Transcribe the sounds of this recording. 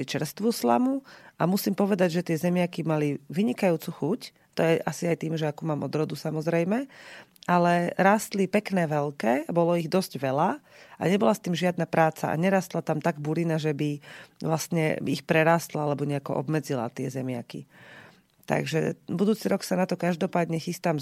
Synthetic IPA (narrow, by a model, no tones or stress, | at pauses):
it͡ʃɛɾst̪ʋusla̰muamusiːmpɔʋɛd̪aɟʒɛt̪ɪɛzɛmɪakimaliʋiɲikajuːt͡suxuc | t̪ɔjɛʔasiajt̪iːmʒɛakuːmaːmɔd̪ɾɔd̪usamɔzɾɛjmɛalɛɾaːst̪lipɛknɛːʋɛlkɛːabɔlɔiɣd̪ɔzɟʋɛla | ʔa̰ɲɛbɔlast̪iːmʒɪad̪napɾaːt͡sa̰ʔa̰ɲɛɾaːst̪lat̪amt̪aɡbuɾinaʒɛbiʋlast̪ɲɛ̰ixpɾɛɾaːst̪laalɛbɔɲɛakɔ̰ʔɔ̰bmɛd͡zila̰t̪ɪɛzɛmɪa̰kḭ | t̪a̰ɡʒɛ̰bud̪uːt͡siɾɔksanat̪ɔkaʒd̪ɔpaːd̪ɲɛxist̪am